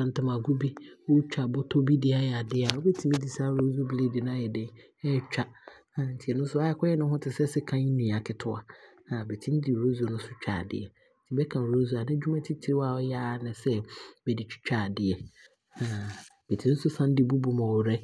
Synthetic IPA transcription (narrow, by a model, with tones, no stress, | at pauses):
ã˨n˨tɪ˨mã˨ɡu˦bi˦ʊ˦t͡ɕᶣa˨bʊ˦tʰo˦bi˦dɪ˦a˦jɛ˨a˨dɪ˦˨a˨wɔ˦bɛ˦tʰi˨mĩ˦di˨sa˦˨ɾo˦zo˦ble˦dɪ˨nʊ̃˦a˦jɛ˨dɪ̃˦n | ɛ˦t͡ɕᶣa˨ | ã˨n̩˨tʰi˨ɛ˨nʊ̃˦sʊ˦a˦ɛ˨kʰɔ˦ɛ˦nʊ̃˦ɦʊ̃˦tʰɪ˨sɛ˦sɪ˦kʰã˦ɲ˦nĩ˨a˨kʰɪ˦tʰʊ˦a˨nã˨bɛ˨tʰĩ˦n̩˦dɪ˨ɾo˦zo˨˦nʊ̃˦sʊ˦t͡ɕᶣa̰˨dɪ̰˨ɛ˨ | n̩˦tʰi˨bɛ˦kʰã˨ɾo˦zu˦a˨nɪ̃˦d͡ʑᶣu˦mã˦tʰi˦tʰi˨ɾɪ˦wa˨ɔ˦ja˦nɪ̃˨sɛ˦bɛ˨di˨t͡ɕʰᶣi̥˦t͡ɕᶣa˨dɪ˨ɛ˨ | ã˨ | b̥ɛ˨tʰĩ˦n˦n̩˦sʊ˦sã˦n˦dɪ˨bu˦bu˨mã˨wɔ˨ɾɛ˦